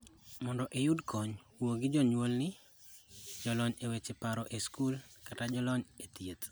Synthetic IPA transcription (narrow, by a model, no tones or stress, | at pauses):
mɔndɔʔejudkʰɔɲ | woɡɪd͡ʒɔɲwolnɪ | d͡ʒɔlɔɲewet͡ʃepaɾɔʔeskulkatad͡ʒɔlɔɲet̪jet̪